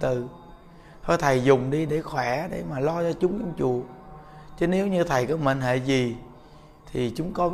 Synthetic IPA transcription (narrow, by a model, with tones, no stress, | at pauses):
t̪ɨ˨˩ | t̪ʰɔ˧˩jt̪ʰə˨˩jzʊ˨˩ŋ͡mɗi˧ɗe˧˩xwɛ˧˩˦ɗḛ˧˩maː˨˩lɔ˧t͡ɕɔ˧t͡ɕʊ˨˦ŋ͡mʔɔ˧wŋ͡mt͡ɕṵ˧˨ət͡ɕə˨˦ne˨˦wɲɨ˧t̪ʰə˨˩jkɔ˨˦mə̰˧˨nɦḛ˧˨zi˨˩ | t̪ʰi˨˩t͡ɕʊ˨˦ŋ͡mkɔ˨˦